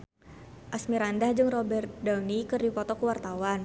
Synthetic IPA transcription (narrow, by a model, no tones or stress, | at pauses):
ʔasmiɾandahd͡ʒɨŋrɔbɛrt̪̚dawnikɨrdipɔt̪ɔkuwart̪awan